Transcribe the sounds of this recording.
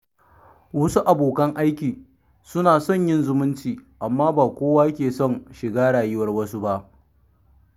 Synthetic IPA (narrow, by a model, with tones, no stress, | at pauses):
wɐ˦su˦ʔa˨boː˨kɐ˦ŋʔa˦jkʲiː˨ | sʊ˦naː˨sɔ˦˨ɲjɪ˦nzʊ˦mʊ˦nt͡ʃiː˨ʔa˨mːaː˦baː˨kʷoː˦waː˦kʲeː˨sɔ˦˨ŋʃɪ˨ɡaː˦ɽaː˨jɪ˦wɐ˨rwɐ˦su˦ba˦ʔ